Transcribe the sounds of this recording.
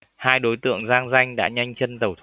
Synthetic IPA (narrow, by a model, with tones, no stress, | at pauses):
haː˧jɗo˨˦jt̪ɨ̰˧˨əŋzaː˧ŋza˧jŋ̟ɗa̰ː˧˥ɲa˧jŋ̟t͡ɕə˧nt̪ə˨˩wt̪ʰ